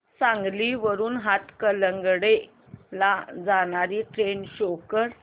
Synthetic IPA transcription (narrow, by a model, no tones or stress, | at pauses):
sãŋɡliːʋəɾuːnɦat̪kələŋɡɽe | lad͡zaɳaɾiːʈɾenɕokəɾ